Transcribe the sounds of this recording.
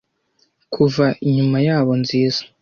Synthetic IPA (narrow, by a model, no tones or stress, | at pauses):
kʰuvaiɲumajaːβo̞nziːzḁ